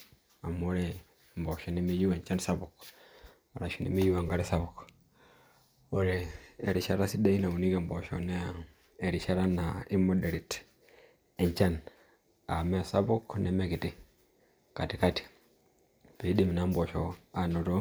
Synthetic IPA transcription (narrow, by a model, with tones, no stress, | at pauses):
a˨mo˦ɾe˦ | mbɔ˨ʃɔ˨ne˦mi˦ju˦we˨ɲt͡ʃa˦nsa˦bu˨k | a˨ɾa˨ʃu˨nḛ˨˦mi˦ju˦a˨ŋɡa˦ɾe˦sa˦bu˨k | o˦ɾeː˨ɾi˨ʃa˦ɾa˦si˦da˦i˦na˨u˨ni˦ke˨mbo˨ʃo̰˨neː˦˨ | ɾi˨ʃa˦ɾa˦na˨i˦mo˦de˨ɾi˨t | e˨ɲt͡ʃa˦n | a̰˨mɛ˦˨sa˦bu˦kne˨me˦ki˨ti˦ | ka˨ti˨ka˦ti̥˨ | pe˨i˦di˦mi˨na˨˦mbo˨ʃo˨a˨no˨to˦